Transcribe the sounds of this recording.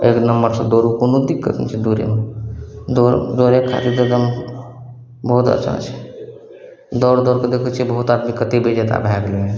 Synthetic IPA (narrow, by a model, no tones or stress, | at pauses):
eknəmːəɾsə̃d̪oɾukonod̪ikːət̪nt͡ʃʰid̪uɾḛme | d̪oɾd̪oɾekʰːa̰t̪ed̪əd̪əm | bəɦut̪ə̰t͡ʃʰã̰t͡ʃʰi̥ | d̪ɔɾd̪ɔɾked̪ekʰət͡ʃʰibəɦut̪ad̪mikət̪ebed͡ʒet̪a̰bʱɛɡliẽ